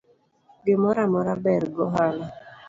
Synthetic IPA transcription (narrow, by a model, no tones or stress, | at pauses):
ɡɪmɔɾamɔɾabɛɾɡɔɦala